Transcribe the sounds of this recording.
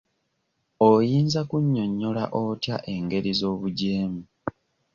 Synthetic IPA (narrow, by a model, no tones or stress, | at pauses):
ojiːnzakuɲːo̞ɲːo̞la̰ʔotjaʔe̞ːŋɡe̞ɾizo̞ːβuɟeːmu